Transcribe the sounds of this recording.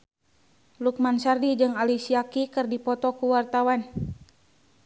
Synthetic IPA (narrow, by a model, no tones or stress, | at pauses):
luk̚mansardid͡ʒɨŋalisiakikɨrdipɔt̪ɔkuwart̪awan